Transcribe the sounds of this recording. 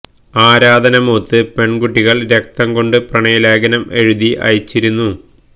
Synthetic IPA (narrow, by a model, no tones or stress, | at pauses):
aːɾaːd̪ɐnɐmoːt̪ːɨpe̞ɳɡuʈːiɣɐɭɾe̞k̚t̪ɐmɡo̞ɳɖɨprɐɳɐjɐleːɡɐnɐme̞ɻuðiʔɐ̰jit͡ɕːiɾunːu